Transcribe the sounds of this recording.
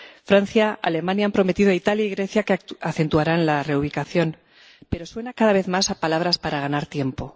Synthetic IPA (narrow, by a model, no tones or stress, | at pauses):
fɾan̟θjaa̰le̞mãnjampɾo̞me̞t̪iðoait̪aljaiɣɾe̞θjakeaθe̞nt̪uaɾalare̞uβ̞ikaθjo̞n | pe̞ɾo̞swe̞nakaðaβe̞θmasapalaβɾaspaɾaɣ̞anaɾt̪je̞mpo̞